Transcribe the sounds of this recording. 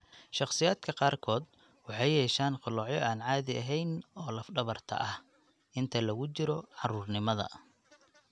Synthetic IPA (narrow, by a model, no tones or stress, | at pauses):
ʃɑχsɪjaːd̪kʰɐqɑːrkʰɔːd̪ | wɑħɑjjɛːʃaːnqʊlɔːʕjɔʔaːnʕɑːðɪɐɦɛjnɔːlɐfɖɐβɐrt̪ʰɐ̰ʔɐh | ʔɪnt̪ʰɐlɐɣʊt͡ʃɪɾɔʕɑruːrnɪmɐðɐ̰